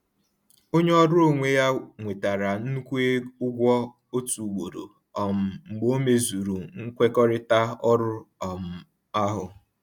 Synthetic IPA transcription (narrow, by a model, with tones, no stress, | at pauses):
o˦ɲe˦ɔ˦ɾʊ˦o˦˨ŋʷe˦ja˦ŋʷe˨ta˨ɾa˨n̩˦kʷe˦ʊ˦ɡʷɔ˦ | o˦tu˨u˨ɡ͡bo˨ɾo̰˨ | ɔ˨m̩˨ŋ͡m̩˨ɡ͡bo˦me˦zu˨ɾu˨ŋ̩˦kʷe˦kɔ˦ɾɪ˦ta˦ɔ˦ɾʊ˦ɔ˨m̩˨ | a˦ɦʊ˨